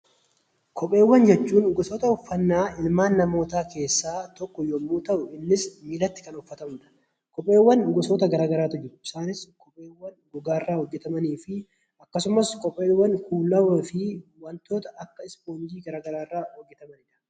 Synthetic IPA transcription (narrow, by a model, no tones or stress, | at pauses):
kʰɔpʼːe̞ːwːɐnd͡ʒɛt͡ʃːuːnɡɔsɔːt̪ɐʊfːɐnːaːʔɪlmaːnːɐmo̞ːt̪aːke̞ːsːaːt̪ɔkːɔjomːuːt̪ɐʔʊɪnːɪsmiːlɐt̪ːɪ̥kɐnʊfːɐt̪ɐmᶑɐ̥ | kɔpʼːe̞ːwːɐnɡɔsoːt̪ɐɡɐɾaːɡɐɾaːt̪ʊd͡ʒɪɾʊɪsaːnɪskɔpʼeːwːɐnɡɔɡaːrːaːhɔd͡ʒːɛt̪ɐmɐniːfɪ | ɐkːɐsʊmɐskɔpʼeːwːɐŋkuːlɐɐfɪwɐnt̪o̞ːt̪ɐʔɐkːɐɪspoːnd͡ʒiːɡɐɾaːɡɐɾaːrːaːhɔɡːɛt̪ɐmɐnɪᶑɐ̥